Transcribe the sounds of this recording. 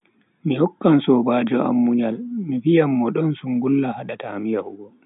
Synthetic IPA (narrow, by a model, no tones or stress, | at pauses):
mihɔkːansɔbad͡ʒɔʔa̰mːuɲalmifijamːɔɗɔnsuŋɡulːahaɗatamijahuɡɔ